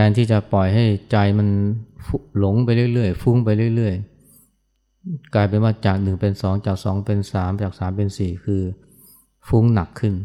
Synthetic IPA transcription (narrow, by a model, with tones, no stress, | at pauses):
pʰɛː˧nt̪ʰiː˥˩t͡ɕa˨˩pɔ˨˩jɦa˥˩jt͡ɕa˧jma˧nfu˧˥lo˨˦ŋpa˧jlɯ˥˩ə˨jlɯ˥˩əjfu˦˥˩ŋp̬a˧jlɯ˥˩əjlɯ˥˩əj | kaː˧jp̬e˧nwaː˧˩t͡ɕaː˨˩k̚nɯ˨˩ŋpe˧nsɔː˩˦ŋt͡ɕaː˨˩k̚sɔː˩˦ŋpe˧nsaː˩˦mt͡ɕaː˨˩k̚saː˩˦mpe˧nsiː˨˩kʰɯː˧ | fu˦˥ŋna˨˩kʰːɯ˥˩n